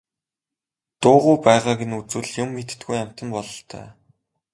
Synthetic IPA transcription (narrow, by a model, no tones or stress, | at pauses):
t̪ʊːʁujpæːʁaːɡenut͡sɘ̆ɮjʊmːet̪̆t̪ɡujam̥ʲt̪ə̆mpɔɮɞ̆ɬt̪ʰœ̰ː